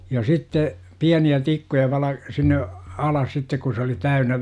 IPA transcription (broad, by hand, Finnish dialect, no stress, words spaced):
jɑˑ sitːe piæniæ tikːujɑ ʋɑlɑ sinːe ɑlɑs sitːek ku se oli tæynæ